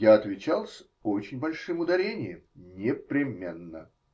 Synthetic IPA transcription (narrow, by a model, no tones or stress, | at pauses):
jaɐt̪vʲɪt͡ɕalˠsʲ | ot͡ɕɪnʲbɐlʲʂɨmʊd̪ɐɾʲenʲɪjɪ̰mnʲɪpɾʲɪmʲenːə̰